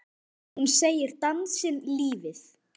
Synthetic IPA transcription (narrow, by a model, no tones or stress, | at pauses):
hunseːjɪɾ̥t̪ansɪnliːvɪθ